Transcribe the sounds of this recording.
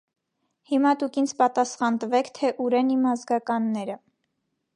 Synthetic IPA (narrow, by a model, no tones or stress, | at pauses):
himɑt̪ukint͡sʰpɑt̪ɑsχɑnt̪əvɛkʰt̪ʰɛʔuɾɛnimɑzɡɑkɑnːɛɾə